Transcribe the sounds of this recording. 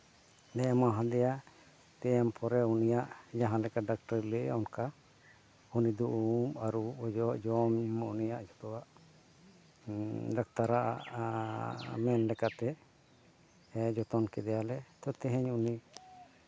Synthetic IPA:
nɛɛmaɦãd̪ɛja | t̪ɛɛmpʰɔɾɛunijaʔd͡ʒaɦãlɛkaɖak̚ʈəɾlɛʔɔnka | unid̪ɔʔumaɾuɔd͡ʒɔʔd͡ʒɔmunijaʔd͡ʒɔt̪ɔwaʔ | ɾak̚t̪aɾaʔa̰ʔ | mɛnlɛkat̪ɛ | d͡ʒɔt̪ɔnkɛd̪ɛjalɛt̪ɔt̪ɛɦɛɲuni

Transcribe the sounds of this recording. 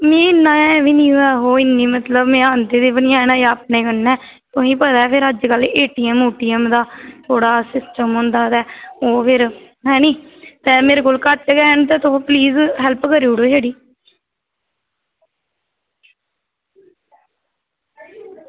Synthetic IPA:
mẽːɪnːãːʋiːnĩːoɛːɦoːɪnːĩːmət̪ləbmẽːənd̪eːd̪eːbənɪjãːnãːəp̚neːkənːɛ̃ː | t̪ʊĩːpəd̪ɛːpʰɪɾəd͡ʒkəleːʈiːɛmuːʈiːɛmd̪aːt̪ʰoːɽaːsɪsʈəmɦõːnd̪aːt̪ɛːoːpʰɪɾ | ɦɛ̃ːnĩːt̪eːmeːɾekoːlkəʈɡɛːnt̪̬eːt̪ʊõːpliːzɦɛlpkəɾiuːɽoːʃeːɽiː

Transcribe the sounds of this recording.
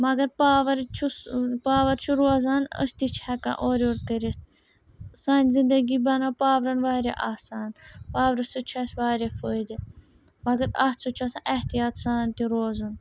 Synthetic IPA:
mɐɡɐɾpaːʋɐɾt͡ʃʰupaːʋɐɾt͡ʃʰuɾoːzaːnə̰st̪it͡ʃʰhɛkã̰ːʔoːɾoːɾkəɾis | saːnʲzind̪əɡiːbɐnaːpaːʋɾɐnʋaːɾeʔaːsaːnpaːʋɾɐsut͡ʃʰɐsʲʋaːɾʲefʰəːd̪i | mɐɡɐɾaːt͡sʰut͡ʃʰuɐsã̰ːʔɛht̪ijaːt̪saːnt̪iɾoːzun

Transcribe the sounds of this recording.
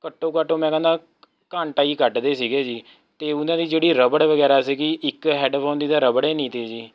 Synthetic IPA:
kəʈːoːkəʈõːmɛ̃ːkɛ̃nd̪aː | kaːɳʈaːiːkəʈd̪eːsiːɡeːd͡ʒiː | t̪eːʊnãːd̪iːd͡ʒeːɽiːɾəbəɽʋəɡɛːɾaːsiːɡiːʔɪkɦɛːɖpʰoːnd̪iːd̪aːɾəbɽeːnĩːt̪eːd͡ʒiː

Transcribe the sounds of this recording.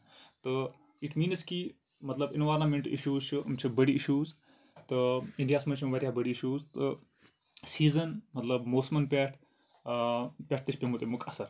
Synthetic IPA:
t̪ɨ | iʈmiːnski | mɐt̪lɐbinʋaːɾnamẽɳʈḭʃuːzt͡ʃʰɨɐmt͡ʃʰibɐɽiiʃuːz | t̪ɨĩɳɖijaːsmɐt͡ʃʰimʋɐɾʲjabɐɽiiʃuːzt̪ɨ | siːzɐnmɐt̪lɐbmoːsmɐnpʲeʈʰ | pʲeʈ̚ʰt̪ɨʃʰpʲemut̪emukɐsɐɾ

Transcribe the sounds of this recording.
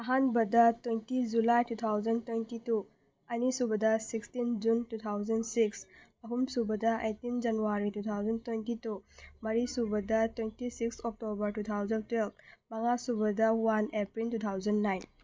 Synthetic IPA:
ɐɦanbɐdɐtwentid͡ʒulajtut̪ʰawzɐntwentitu | ɐnisubɐdɐsikstind͡ʒuntut̪ʰawzɐndsiksɐɦumsubɐdɐʔetind͡ʒɐnuwaɾitut̪ʰawzɐntwentitumɐɾisubɐdɐtwentisiksok̚tobɐɾtut̪ʰawzɐntwelb̚ʰmɐŋasubɐdɐwanepɾiltut̪ʰawzɐnːajn

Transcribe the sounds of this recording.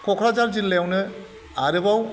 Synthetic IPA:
kʰɔkʰɾazaɾzinlejawnɯ | aɾɯbaw

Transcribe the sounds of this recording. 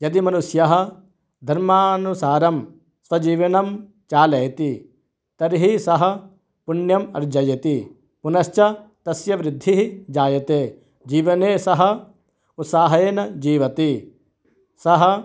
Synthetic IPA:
jɐd̪imɐnusjɐɦɐ̆ | d̪ʱɐɾmaːnusaːɾɐm | sʋɐd͡ʒiːʋɐnɐm | t͡ʃaːlɐjt̪i | t̪ɐɾiɦisɐɦɐ̆ | puɳjɐmɐ̰ɾd͡ʒɐjɐt̪i | punɐʃt͡ʃɐt̪ɐsjɐʋɾɪd̪ʱːiɦid͡ʒaːjɐt̪eː | d͡ʒiːʋɐneːsɐɦɐ̆ | ut̪saːɦɐeːnɐd͡ʒiːʋɐt̪i | sɐɦɐ

